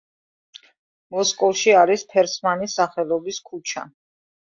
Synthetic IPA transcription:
mɔskʼɔlˠʃiaɾispʰɛɾsmanisaχɛlˠɔbiskʰut͡ʃʰa̰

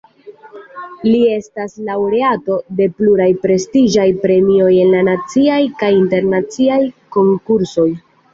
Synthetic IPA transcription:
lie̞staslawɾe̞ato̞de̞pluɾajpɾe̞stid͡ʒajpɾe̞mio̞je̞nlanat͡siajkajinte̞ɾnat͡siajko̞ŋkuɾso̞j

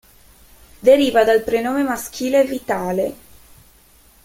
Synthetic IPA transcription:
d̪eɾiːvad̪alpɾenoːmemask̟iːleːvit̪aːle

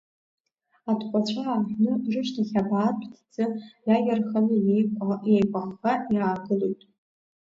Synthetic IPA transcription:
atʰqʷʼat͡ɕʷʰaaħnɨrɨʃtʰaχʲabaːtʷʰʼtʰd͡zɨjajʲarχanɨjejkʷʼaʔejkʷʼaχaiaːɡɨlojtʼ

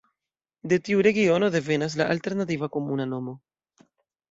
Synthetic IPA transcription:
de̞tiuɾe̞ɡio̞no̞de̞ve̞nas̬laʔalte̞ɾnat̬ivako̞munano̞mo̞

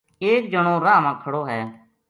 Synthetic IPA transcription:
eːk̚d͡ʒəɽ̃õːɾaːmãːkʰəɽoːɦɛː

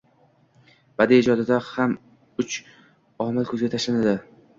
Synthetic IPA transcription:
b̥ad̪ɪːd͡ʒɒd̪ɪd̪aham | ʊt͡ʃ | ɒmalkʰɵzɡʲat̪ʰaʃlanad̪ɪ

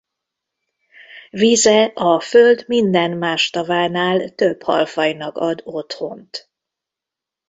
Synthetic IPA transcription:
vizɛʔɒføld̪mind̪ɛnmaːʃt̪ɒvaːnaːlt̪øbhɒ̰lfɒjnɒkɒd̪o̞t̪ho̞nt̪

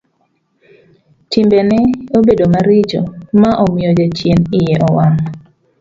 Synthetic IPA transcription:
tɪmbenɛobedomaɾit͡ʃo̰maʔomɪod͡ʒat͡ʃjenɪjɛʔɔwan

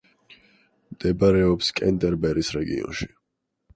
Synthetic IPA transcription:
md̪̥ɛbaɾɛɔpskʼɛnt̪ʼɛɾbɛɾisɾɛɡḭɔ̰nʃi̥

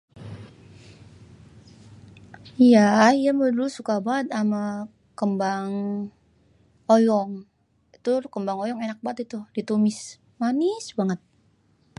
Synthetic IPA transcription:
ijaijamədulsukabaət̪ama | kəmbaŋ | ojɔŋ | it̪ukəmbaŋojɔŋenak̚baət̪it̪udit̪omɪs | manisbaŋət̪̚

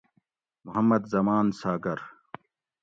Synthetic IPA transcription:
mʊɦɐmːɐd̪zɐmaːnsaːɡɐɾ

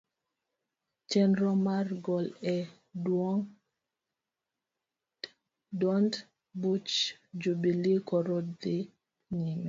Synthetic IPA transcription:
t͡ʃɛnɾɔmaɾɡɔlɛ | duɔŋ | dɔnd | but͡ʃd͡ʒubilikɔɾɔdi | ɲimɛ

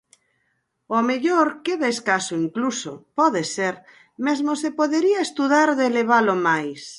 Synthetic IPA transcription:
omeʎoɾkeðaeskasoiŋkluso̰pɔðeseɾ | mezmosepoðeɾiaest̪uðaɾðeleβ̞alomajs

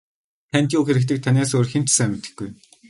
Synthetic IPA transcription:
t̪ʰæn̥ʲt̪juːxeɾɘ̆k̚t̪̬ɘ̆k̚t̪ʰaneːsoːrxem̥t͡ɕsæmɪt̪ɘ̆xɡuj

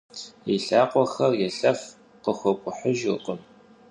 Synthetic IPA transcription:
iɬaːqʷɔxɐrjɛɬɐf | qəxʷɔkʷʼʊħəʒɨqʷʼəm

